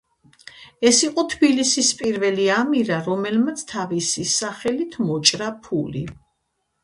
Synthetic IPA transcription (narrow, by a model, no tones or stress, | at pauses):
ɛsiqʼɔt̪ʰbilisispʼiɾvɛliamiɾaɾɔmɛlmat̪sʰt̪ʰavisisaχɛlit̪ʰmɔt͡ʃʼɾapʰulḭ